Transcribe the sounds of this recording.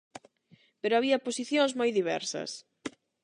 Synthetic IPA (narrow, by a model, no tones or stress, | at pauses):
peɾoaβiɐposiθjõŋzmojðiβɛ̰ɾsɐ̰s